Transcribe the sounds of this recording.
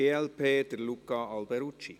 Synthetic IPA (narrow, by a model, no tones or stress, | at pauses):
eːɛlpʰeːd̪əɾlukɑɑlbɛɾut͡ʃḭ